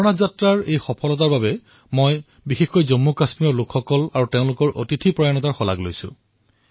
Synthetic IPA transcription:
ɔnazatɹaɹejxɔpʰɔlɔt̬aɹbabɛ | moj | bixexkɔjzomːukasmiɔɹlʊkʰxɔkɔlaɹuteʊ̃lʊkɔɹʔo̰titʰipɹɔjanɔtaɹxɔla̰ɡlojsʊ̰̃

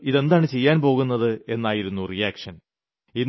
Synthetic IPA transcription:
iðe̞nd̪aːɳɨt͡ɕe̞jːaːnpo̞ːɣunːɐðɨe̞nːaːjiɾunːurijaːkʂɐn | in

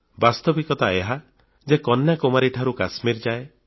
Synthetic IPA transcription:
bast̪ɔbikɔt̪aeɦa | d͡ʒekɔnjakomaɾiʈʰaɾukasmiɾd͡ʒae

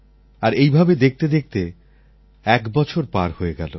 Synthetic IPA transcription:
aɾejbʱabed̪ek̚ʰt̪ed̪ek̚t̪e | ɛkbɔt͡ɕʰoɾpaɾhoeɡɛ̰lo

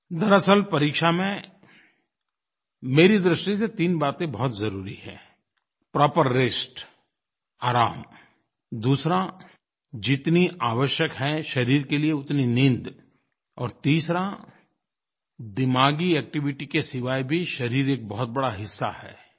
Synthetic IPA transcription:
d̪ɐɾəsəlpɐɾiːkʃamẽ | meːɾid̪ɾɪʃʈiset̪iːnbaːt̪ẽbɔɦʊt̪zɐɾuːɾihɛ̰̃ː | pɾɔːpəɾːeːsʈ | aːɾaːm | d̪uːsɾa | d͡ʒɪt̪niaːʋəʃjəkɦɛ̃ʃɐɾiːɾkelieʊt̪ninɪ̃nd̪ | ɔ̰ːɾt̪iːsɾa | d̪ɪmaːɡiɛːk̚ʈɪʋɪʈikesɪʋaːibʱiʃɐɾiːɾeːk̚bɔɦʊt̪̚bɐɽaɦɪsːa̰hɛ̰ː

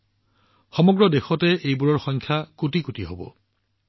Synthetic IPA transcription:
xɔmɔɡɹɔdexɔtɛejbuɹɔɹxɔjŋkʰjakutikutiɦobɔ̰

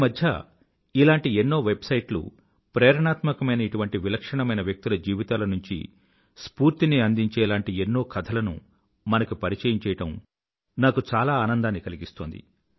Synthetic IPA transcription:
imɐd̪ʱjɐ̰ | ilaːɳʈienːo̞ːʋe̞bsɐjʈlṵ | pɾɛːɾɐɳaːt̪mɐkɐmɐjnɐiʈuʋɐɳʈiʋilɐkʂɐɳɐmɐjnɐʋjɐk̚t̪ilɐd͡ʒiːʋit̪aːlɐnuɲt͡ʃḭ | spuːɾt̪iniɐnd̪iɲt͡ʃɛːlaːɳʈienːo̞ːkʰɐt̪ʰɐlɐnṵ | mɐnɐkupɐɾit͡ʃɐjɐmt͡ʃɛːjɐʈɐm | naːkut͡ʃaːlaːaːnɐnd̪aːnːikɐliɡist̪oːnd̪ḭ

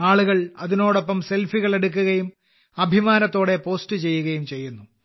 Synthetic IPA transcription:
aːɭuɣɐɭɐðino̞ːɽo̞pːɐmselfiɣɐɭe̞ɽuk̬ːuɣɐjum | ɐbʱimaːnɐt̪ːo̞ːɽe̞po̞ːstɨt͡ɕe̞jːuɣɐjumt͡ɕe̞jːunːu

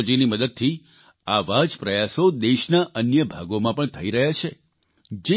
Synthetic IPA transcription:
d͡ʒiniməd̪əd̪̚t̪ʰi | aʋad͡ʒpɾəjasod̪eʃnaʔənjəbʱaɡomãpəɳt̪ʰəiɾəɦjat͡ʃʰe | d͡ʒe

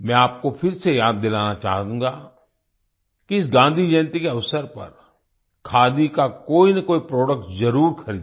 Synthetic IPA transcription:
mɛ̃aːp̚kofʰɪɾsejaːd̪ːɪlaːnat͡ʃa̰ːɦd̪ũːɡa | kiɪs̬ɡãːnd̪ʱid͡ʒɐnt̪ikeɐʋsəɾpɐ̰ɾ | kʰaːd̪ikakoːinɐkoːipɾɔːɖək̚ʈzɐɾuːɾxʰɐɾiːd̪

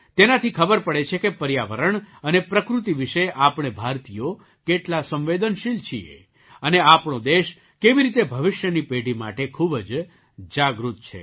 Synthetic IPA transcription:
t̪enat̪ʰikʰəbəɾpəɽet͡ʃʰekepəɾjaʋəɾəɳənepɾəkɾut̪iʋɪʃeʔapɳ̃ebʱaɾt̪ijo | keʈlasə̃mʋed̪ənʃilt͡ʃʰiḛ | əneapɳod̪eʃ | keʋiɾit̪ebʱəʋɪʃjənipeɖʱima̰ʈekʰubd͡ʒ | d͡ʒaɡɾut̪̚t͡ʃʰḛ

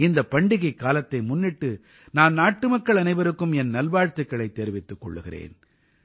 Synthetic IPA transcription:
ɪnd̪ɐpːɐɳɖɪɣɐɪkːaːlɐt̪ːɐɪmʊnːɪʈːɯ | naːnnaːʈːɯmɐkːɐɭɐnɐɪʋɐɾɯkːɯmɛnnɐlbaːɻt̪ːɯkːɐɭɐɪt̪ːeːɾɪʋɪt̪ːɯkːɔ̰ɭːɯɣɪrḛːn

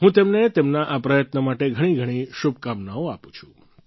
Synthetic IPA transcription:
ɦũt̪emnet̪emnaʔapɾəjət̪nəmaʈeɡʱəɽ̃iɡʱəɽ̃iʃub̚kamnaoapũt͡ʃʰũ̥

